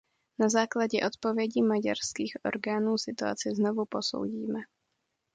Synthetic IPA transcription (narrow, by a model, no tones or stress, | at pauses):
nazaːklaɟɛʔo̞t̪povjɛɟiːmaɟaɾskiːxʔo̞̰ɾɡaːnuːsɪt̪ua̰t͡sɪzno̞vupo̞so̞̰wɟiːmɛ